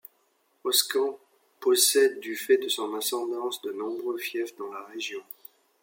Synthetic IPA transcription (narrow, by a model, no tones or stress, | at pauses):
ɔskɑ̃ | pɔsɛd̪ːyfɛd̪əsɔ̃nɛ̃sɑ̃d̪ɑ̃sd̪ənɔ̃bʁøfjɛfd̪ɑ̃laʁeʒjɔ̃